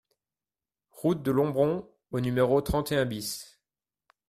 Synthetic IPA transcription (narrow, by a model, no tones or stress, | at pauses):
ʁut̪̚d̪əlɔ̃bʁɔ̃ | onymeʁot̪χɑ̃t̪eɛ̃bis